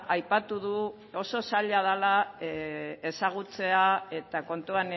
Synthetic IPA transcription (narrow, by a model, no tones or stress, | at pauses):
ajpat̪uðu | o̞so̞saʎað̞ala | e̞saɣ̞ut͡se̞ae̞t̪ako̞nt̪uan